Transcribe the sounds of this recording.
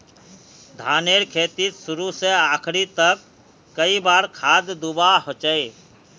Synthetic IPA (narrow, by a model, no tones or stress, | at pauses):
d̪ʱaːneɾkʰeːt̪it̪sʊɾuseaːkʰɾit̪əkː | əibaːɾkʰaːd̪d̪ubaɦot͡ʃəe